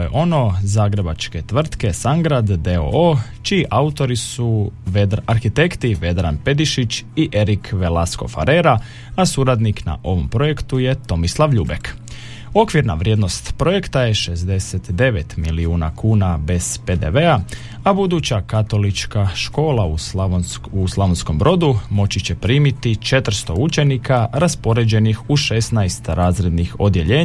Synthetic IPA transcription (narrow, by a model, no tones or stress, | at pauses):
jḛʔo̞no̞zaːɡɾe̞bat͡ʃke̞t̪ʋr̩t̪ke̞saŋɡɾad̪ːeo̰ot͡ʃiːʔaut̪o̞ɾisuʋed̪aɾxit̪e̞kt̪iʋe̞d̪ɾa̰npe̞d̪iʃit͡ɕiʔe̞ɾikʋe̞lasko̞̰fa̰ɾeɾa | asuɾad̪nikna̰ʔo̞ʋo̞mpɾo̞je̞kt̪uje̞t̪o̞mislˠaʋʎuːbek | o̞kʋiɾna̰ʋɾʲjed̪no̞st̪pɾo̞je̞kt̪aje̞ʃe̞zd̪e̞set̪d̪e̞ʋet̪miliuːnakʰuːnabe̞z̥ped̪ḛʋe̞a | abud̪ut͡ɕakat̪o̞lit͡ʃkaʃko̞ːlˠau | uslˠaʋonsko̞mbɾo̞d̪umo̞t͡ɕit͡ɕe̞pɾiːmit̪it͡ʃe̞t̪r̩st̪o̞ut͡ʃe̞nikʰaɾaspo̞ɾe̞d͡ʑe̞nixuʃe̞snajst̪ɾaːzɾe̞d̪nixo̞̰d̪je̞ʎe̞ː